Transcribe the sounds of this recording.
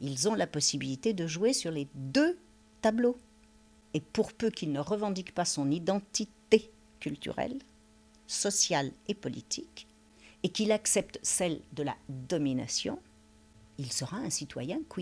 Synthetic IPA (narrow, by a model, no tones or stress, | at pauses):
ilzɔ̃lapɔsibilit̪ed̪əʒuwesyʁled̪ø | t̪ablo | epuʁpøkilnəʁəvɑ̃d̪ikpasɔ̃nid̪ɑ̃t̪it̪e | kʲylt̪y̰ʁɛ̰l | sɔsjalepɔlḭt̪ʰik | ekilaksɛp̚t̪sɛld̪əla̰d̪ɔmina̰sjɔ̰̃ | ilsəʁaɛ̃sit̪wa̰jɛ̃kwi